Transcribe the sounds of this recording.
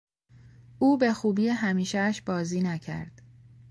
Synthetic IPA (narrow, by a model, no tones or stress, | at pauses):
ʔuːbe̞xuːbiːeɦæmiːʃæʃbɒːziːnæcʰæ̰ɾd̪̥